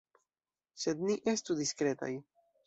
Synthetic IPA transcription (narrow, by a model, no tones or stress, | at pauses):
se̞dniʔe̞studiskɾe̞ta̰j